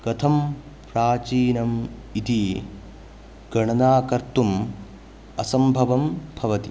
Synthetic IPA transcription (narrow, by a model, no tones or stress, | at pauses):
kɐt̪ʰɐm | pɾaːt͡ʃiːnɐmit̪i | ɡɐɳɐnaːkɐɾt̪um | ɐsɐmbʱɐʋɐmbʱɐʋɐt̪i